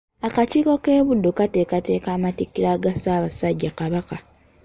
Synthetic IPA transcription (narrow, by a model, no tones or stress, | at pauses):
akaciːko̞keːβudːokatekate̞ːkaːmatikːiɾaːɡasaːβasaɟːakaβaka